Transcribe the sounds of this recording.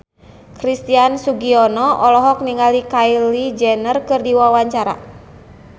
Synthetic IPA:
kɾist̪iansuɡiɔnɔʔɔlɔɦɔk̚niŋalikailid͡ʒɛnərkɨrdiwawaɲt͡ʃaɾa̰

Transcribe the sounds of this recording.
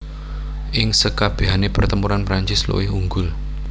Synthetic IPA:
ʔɪŋsəkab̥e̤ɦanepərt̪əmpuɾanpɾaɲt͡ʃɪslṵwɪhuŋɡʊl

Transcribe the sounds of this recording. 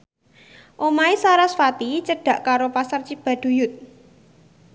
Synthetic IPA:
ʔomaisaɾasfat̪it͡ʃəɖ̥ä̤ʔkaɾopasart͡ʃib̥a̤ɖ̪̥ṳjʊt̪̚

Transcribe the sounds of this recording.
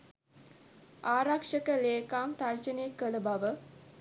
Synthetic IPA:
ʔaːɾakʂəkəleːkaːŋt̪ard͡ʒənekələbaʋə

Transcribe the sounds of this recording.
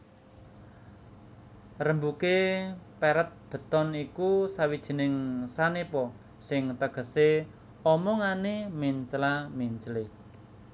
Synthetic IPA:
rəmbukepɛɾət̪̚b̥ə̤t̪ɔnikusawid̥ʒ̥i̤nɪŋsanepɔ | sɪŋt̪əɡ̥ə̤se | ɔmɔŋanemiɲt͡ʃlamiɲt͡ʃəle

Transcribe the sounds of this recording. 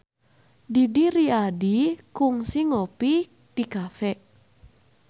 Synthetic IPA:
didiɾiadikuŋsiŋopi | d̥ikafɛ

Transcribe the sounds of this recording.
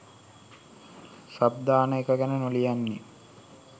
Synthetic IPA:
sab̚d̪aːnəekəɡænənolijanːe

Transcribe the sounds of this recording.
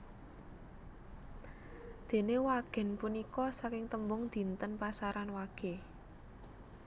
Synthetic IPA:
d̪̥e̤newaɡ̥ɛ̤npunikɔsakɪŋt̪əmbʊŋd̪̥i̤nt̪ənpasaɾanwaɡ̥e

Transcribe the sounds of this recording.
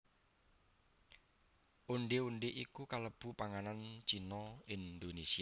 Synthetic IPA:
ʔuɳɖeuɳɖeʔikukaləb̥ṳpaŋanant͡ʃinɔind̪onesia

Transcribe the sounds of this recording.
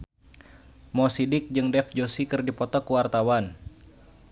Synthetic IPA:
mɔsidɪk̚d͡ʒɨŋdɛfd͡ʒosikɨrdipɔt̪ɔkuwart̪awan

